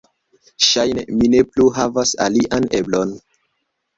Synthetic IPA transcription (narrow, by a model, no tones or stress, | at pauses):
ʃajnḛmine̞pluɦavasa̰liʔane̞blon